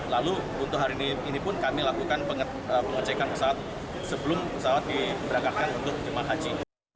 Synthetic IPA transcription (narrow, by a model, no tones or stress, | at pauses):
lalu | unt̪ʊhɦaɾiniinipʊnkamilakukanpəŋ | əpəŋət͡ʃakanpə̥sawat̪̚ | səbəlʊmpəsawat̪̚dibəɾaŋkat̪̚kanunt̪ʊk̚d͡ʒəmaɦad͡ʒi